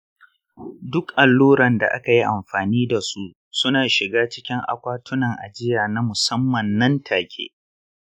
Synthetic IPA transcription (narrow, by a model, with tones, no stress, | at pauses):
dʊ˦kʔa˨lːuː˦ɾɐ˨nda̰˨ʔa̰˦ka˨ji˦ʔa˨mɸaː˨niː˦da˨su˦ʔ | sʊ˦naː˨ʃɪ˨ɡaː˦t͡ʃɪ˦kʲɪ˦ŋʔa̰˨kʷaː˦tʊ˦nɐ˨ŋʔa̰˨d͡ʒɪ˦jaː˨na˦mʊ˨sɐ˦mːɐ˨nːɐ˦ntʰaː˨kʲʰḛː˦